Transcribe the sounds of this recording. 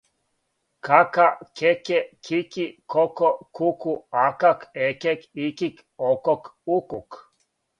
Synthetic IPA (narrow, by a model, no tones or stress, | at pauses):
kʰakakʰɛkɛkʰikikʰɔkɔkʰukuakakʰɛkɛkikik | ɔkɔkukuk